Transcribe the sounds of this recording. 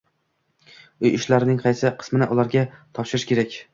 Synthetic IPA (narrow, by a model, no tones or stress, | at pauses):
ʊjɪʃlaɾɪnɪŋqʰɑjsɪqʰɨ̥smɪnɪʔʊlˠaɾɡʲat̪ʰɒpʃɪɾɪʃkʲe̞ɾakʲ